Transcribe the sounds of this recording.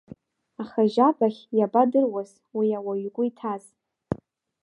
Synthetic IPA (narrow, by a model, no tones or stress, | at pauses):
aχaʒabaχʲjabadɨrwaz | wiawaɥkʷʼʊitʰaz